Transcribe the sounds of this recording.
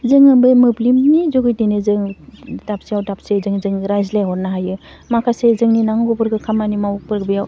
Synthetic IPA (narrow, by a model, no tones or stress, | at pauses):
zɯŋɯbɯmɯblimnizɔɡɯjdinɯzɯŋdap̚siawdap̚sizɯŋzɯŋɾajzleɦɔɾnaɦajɯ | makʰasezɯŋninaŋɡɔbɯɾɡɯkʰamanimawuk̚pɯɾɡɯbɯjaw